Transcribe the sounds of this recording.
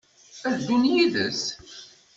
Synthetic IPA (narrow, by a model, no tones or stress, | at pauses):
æðd̪ːunjiðəs